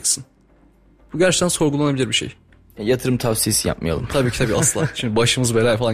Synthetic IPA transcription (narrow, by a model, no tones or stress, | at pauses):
ksɯn | b̥uɟæɾt͡ʃʰe̥t̪ʰænso̞ɾɡulˠanabilʲiɾbiʃḛj | ɛjat̪ʰɯɾɯmt̪ʰavsijesija̰p̚ma̰ja̰ɯ̰mt̪ʰabiːcʰit̪ʰabiːʔasɯlˠaʃʰimd̪baʃɯmɯzbeɾʲaːjfalˠa